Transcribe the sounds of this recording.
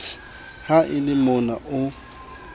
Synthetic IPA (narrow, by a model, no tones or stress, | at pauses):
haʔɪlɪmʊnaʔʊ